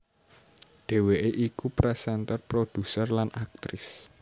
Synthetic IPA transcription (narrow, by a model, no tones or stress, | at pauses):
ɖ̪̥e̤weʔeʔikupɾɛsɛnt̪ərpɾod̪̥ṳsərlanʔak̚t̪ɾɪs